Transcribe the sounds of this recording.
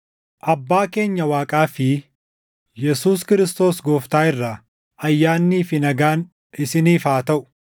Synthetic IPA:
ʔɐbːaːke̞ːɲːɐwaːkʼaːfɪ | jɛsuːskɪɾɪst̪o̞ːsɡoːft̪aːɪrːɐ | ʔɐjːaːnːiːfɪnɐɡaːn | ɪsɪniːfaːt̪ɐʔʊ̥

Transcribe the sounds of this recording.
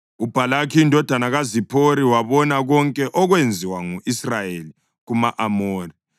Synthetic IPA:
ub̥ʱalakʰiːndʱɔd̥ʱanaɣazipʰoɾiwaβɔnaɣɔŋkʼɛʔɔɣwend͡zʱiwaŋuʔisrajeli | ɣumaʔamoːri

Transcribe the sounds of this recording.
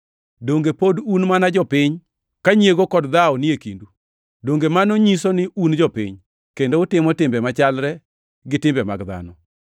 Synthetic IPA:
doŋɡepodunmanad͡ʒɔpɪɲ | kaɲieɡokɔdd̪aɔnɪekindu | doŋɡemanoɲisɔnɪund͡ʒɔpɪ̰ɲ | kendoʊtɪmɔtɪmbɛmat͡ʃalɾɛ | ɡɪtɪmbɛma̰ɡd̪a̰nɔ

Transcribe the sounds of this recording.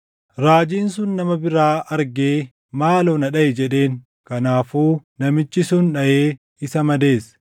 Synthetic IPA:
ɾaːd͡ʒiːns̬ʊnːɐmɐbɪɾaːʔɐɾɡeː | maːlɔnɐᶑɐɛd͡ʒɛᶑe̞ːŋ | kɐnaːfuːnɐmɪt͡ʃːɪsʊnᶑɐʔeː | ɪsɐmɐd̪e̞ːs

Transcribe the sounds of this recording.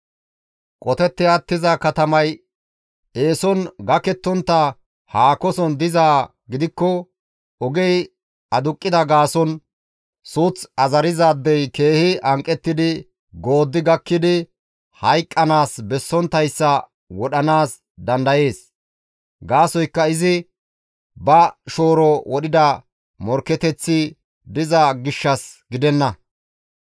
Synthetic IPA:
kʼɔt̪ɛt̪ːɪɐt̪ːɪzɐkɐt̪ɐmɐj | ʔe̞ːsɔnɡɐkɛt̪ːɔnt̪ːɐ | haːkɔsɔnd̪ɪzaː | ɡɪd̪ɪkːɔ | ɔɡɛj | ɐd̪ʊkʼːɪd̪ɐɡaːsɔn | suːt͡sɐzɐɾɪzaːd̪ːɛjke̞ːhɪʔɐŋkʼːɛt̪ːɪd̪ɪ | ɡo̞ːd̪ːɪɡɐkːɪd̪ɪ | hɐjkʼːɐnaːsbɛsːɔnt̪ːɐjsːɐ | wɔɗɐnaːs | d̪ɐnd̪ɐje̞ːs | ɡaːsɔjkːɐɪzɪ | bɐʃo̞ːɾɔwɔɗɪd̪ɐ | mɔɾkːɛt̪ɛt͡sːɪ | d̪ɪzɐɡɪʃːɐsɡɪd̪ɛnːɐ

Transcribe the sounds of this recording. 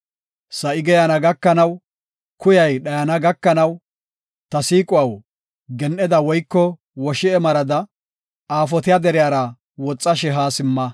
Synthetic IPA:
sɐʔɪɡɛjanɐɡɐkːɐnɐw | kʊjɐjɗɐjɐnɐɡɐkːɐnɐw | t̪ɐsiːkʼʊwɐw | ɡɛnʔɛd̪ɐwɔjkːɔ | wɔʃɪɛmɐɾɐd̪ɐ | aːf̬ɔt̪ɪjad̪ɛɾɪjaːɾɐ | wɔt͡sʼːɐʃ̬ɛɦaːsɪmːɐ

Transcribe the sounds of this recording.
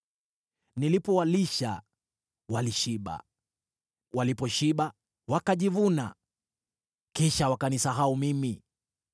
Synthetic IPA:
nilipɔwaliʃa̰ | waliʃiɓa̰ | walipɔʃiɓa | wakaʄivuna̰ | kiʃawakanisaɦaumimi

